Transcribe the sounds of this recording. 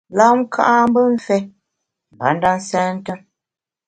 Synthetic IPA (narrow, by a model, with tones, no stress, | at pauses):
la˦ŋ˦kʰa̰˦ʔa˦m˦bə˦ɱ̩˦fɛ˦ | m˨ba̰˨˦n̩˦da˦n̩˦sɛː˦n̩˦tə˦ŋ